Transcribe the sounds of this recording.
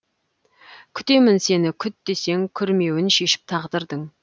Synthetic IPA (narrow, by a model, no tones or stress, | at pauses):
kʲʰʏt̪e̞mɪnse̞nɪkʲʰʏt̪̚d̪ese̞ŋkʲʰʏɾme̞wɪnʃe̞ʃɪ̥p̚t̪ʰɑʁd̪əɾd̪əɴ